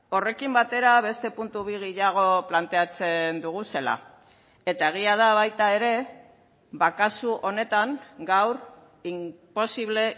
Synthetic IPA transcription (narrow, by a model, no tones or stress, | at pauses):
o̞re̞kimbat̪e̞ɾaβ̞e̞st̪e̞punt̪uβiɣeʎaɣ̞o̞plant̪e̞at͡se̞nd̪uɣ̞use̞la̰ | e̞t̪ae̞ɣ̞iað̞aβajt̪ae̞ɾe̞ | βakasuʔo̞ne̞t̪aŋɡawɾ | impo̞siβ̞le̞